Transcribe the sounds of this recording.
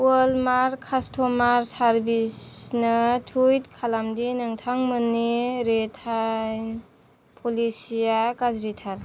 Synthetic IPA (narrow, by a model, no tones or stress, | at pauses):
walmaɾkʰastʰomaɾsaɾbisnɯtʰujt̚kʰalamdinaŋtʰaŋmɯnːiɾetʰajn | pʰolisijakazɾitʰaɾ